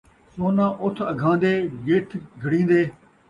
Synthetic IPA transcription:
soːnãːʔʊt̪ʰəɡʱãːnd̪eːjeːʈʰɡʱəɽĩːnd̪eː

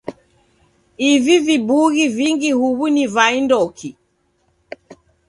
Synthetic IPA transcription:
ivivibuɣiviŋɡihuβunivaindɔkʰi

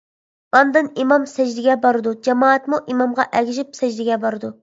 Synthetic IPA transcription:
ɑnd̪ɨnimɑmsɛd͡ʒd̪ɪɡʲɛbɑɾɨd̪ud͡ʒɑmɑːɛt̪muʔimɑmʁɑʔɛɡʲiʒɪp̚sɛd͡ʒd̪ɪɡʲɛbɑɾɨd̪u

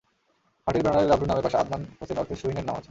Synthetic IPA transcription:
haʈibʱanaɾeɾabɾunamebaʃaa̰d̪̚nanot͡ɕenɔt̪ʰeʃuɦineɾnamat͡ɕʰ

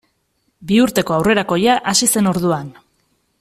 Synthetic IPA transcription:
biuɾt̪e̞ko̞awre̞ɾako̞jaʔasise̞no̞ɾðuan

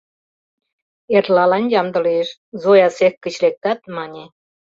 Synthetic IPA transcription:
erlɑlɑnjɑmd̪ə̆leʃ | zojɑsekkːə̆t͡ɕlek̚t̪ɑt̪̚mɑnʲe

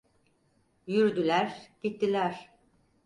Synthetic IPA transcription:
jyɾd̪ylʲæɾɟ̥it̪ːilʲæɾ̥

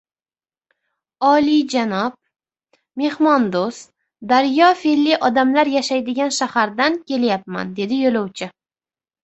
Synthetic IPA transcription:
ɒlid͡ʒanɒp̚ | me̞hmɒnd̪os | d̪aɾjɒfelːiʔɒd̪amlaɾjaʃajd̪ɪɡʲanʃahaɾd̪ankʲʰe̞ljap̚ma̰nd̪e̞d̪ɪjolɒwt͡ʃʰɪ

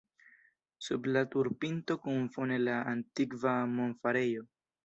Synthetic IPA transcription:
sublatuɾpinto̞kuɱfone̞laantikvamonfaɾejo̞

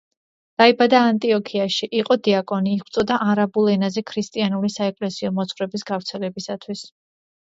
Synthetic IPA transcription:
d̪̥aibad̪aːnt̪ʼiɔkʰiaʃiʔiqʼɔd̪iakʼɔniːχwt̪sʼɔd̪aʔaɾabulˠɛnazɛkʰɾist̪ʼianulisaɛkʼlɛsiɔmɔt̪sχwɾɛbisɡavɾt̪sʰɛlɛbisat̪ʰwis

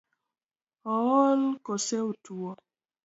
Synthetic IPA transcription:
ɔwɔlkoseutuɔ

